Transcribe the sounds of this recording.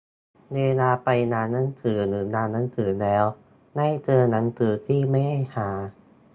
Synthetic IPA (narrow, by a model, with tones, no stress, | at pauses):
neː˧naː˧pa˧jnaː˧nːa˦˥˩ŋt̪ʰɯː˩˦nɯː˩˦naː˧nːa˦˥ŋt̪ʰɯː˩˦lɛː˦˥w | na˥˩jt̪ʰɤː˧na˦˥ŋt̪ʰɯː˩˦t̪ʰiː˥˩ma˥˩jha˥˩jhaː˩˦